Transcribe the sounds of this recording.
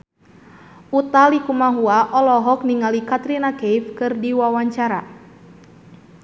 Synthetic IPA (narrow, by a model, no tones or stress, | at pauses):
ut̪alikumaɦuaʔɔlɔɦɔk̚niŋalikat̪ɾinakejfkɨrdiwawaɲt͡ʃaɾa